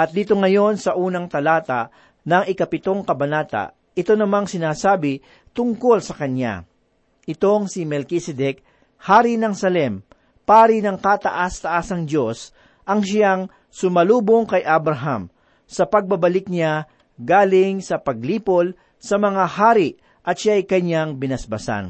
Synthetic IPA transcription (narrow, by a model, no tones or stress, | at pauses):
ʔɐt̪̚d̪iːt̪oŋɐjo̞nsɐʔuːnɐŋt̪ɐlaːt̪aʔ | nɐŋɪkɐpɪt̪o̞ŋkɐbɐnaːt̪a̰ʔ | ʔɪt̪o̞nɐmaŋsɪnaːsaːbɪ | t̪ʊŋko̞lsɐkɐnja̰ | ʔɪt̪o̞ŋsimɛlkisɛd̪ɛk̚ | haːɾinɐŋsɐlɛm | paːɾinɐŋkat̪ɐ̰ʔast̪ɐʔasɐŋd̪o̞s | ʔɐŋʃaŋ | sʊmɐluːboŋkɐjʔabɾɐɦam | sɐpɐɡ̚bɐbɐlɪk̚ɲa | ɡaːlɪŋsɐpɐɡ̚liːpol | sɐmɐŋahaːɾiʔ | ʔɐt̪ʃajkɐɲaŋbɪnɐsbɐsa̰n